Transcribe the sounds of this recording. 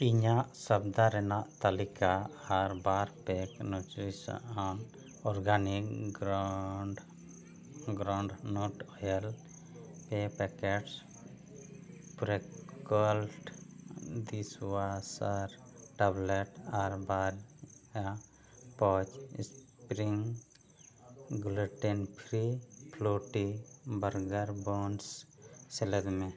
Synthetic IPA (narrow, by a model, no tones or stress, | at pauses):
iɲaʔsabd̪aɾɛnaʔt̪alikaːɾbaɾpɛknuʈɾisa̰ʔan | ɔɾɡanikɡɾɖ | ɡɾawɳɖnɔʈɔjɛl | pɛpɛkɛʈs | pɾɛkɔlʈ | d̪isʋasaɾʈɛbleʈaɾbaɾa | pɔt͡ʃs | pɾiŋ | ɡleʈenpʰɾipʰloʈibəɾɡəɾbonsseled̪mẽ